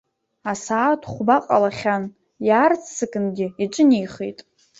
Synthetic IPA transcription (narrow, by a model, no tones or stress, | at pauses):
asaːtʰχʷbaqʼalaχʲan | jaːrt͡sʰsɨkʼɨnɡʲɪiʈ͡ʂʼɨnijχḛjtʼ